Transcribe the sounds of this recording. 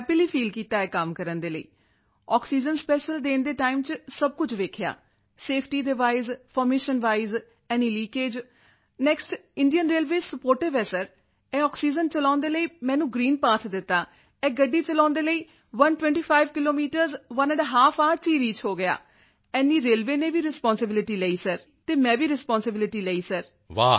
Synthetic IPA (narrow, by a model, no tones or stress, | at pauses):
pɪliːpʰiːlkiːt̪aːɛːkəmkəɾənd̪eːlə̰ḭː | ɔːksiːd͡ʒənspɛːʃəlɖ̪eːnd̪eːʈaːɪimt͡ʃsəb̚kʊt͡ʃʰʋeːkʰja̰ː | seːpʰʈiːd̪eʋaːɪzpʰɔːɾmeːʃənʋaːiz | ɛːniːliːkeːd͡ʒ | nɛːksʈɪɳɖijənɾeːlʋeːsəpoːɾʈɪʋɛːsəɾ | ɛ̃ːɔːksiːd͡ʒənt͡ʃəlãːʊ̃nd̪eːləiːmɛ̃ːnũːɡɾiːnpaːt̪d̪ɪt̪ːaː | ɛ̃ːɡəɖːiːt͡ʃəlãːnd̪eːləiː | ʋənʈʋɛ̃ɳʈiːpʰaːɪʋkɪloːmiːʈəɾzʋənə̃ɖɦaːpʰaːɾt͡ʃiːɾiːt͡ʃʰɦoːɡɪja̰ː | ɛːniːɾeːlʋeːnẽːʋiːɾɪspɔːnsɪbɪlɪʈiːleːiːsəɾ | t̪eːmɛ̃ːʋiːɾɪspɔːnsɪbɪlɪʈiːlɛːiːsəɾ | ʋaː